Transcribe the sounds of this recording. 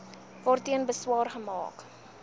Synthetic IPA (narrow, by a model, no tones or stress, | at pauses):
vɔrtiənbəswɑːrχəmɑ̰ːk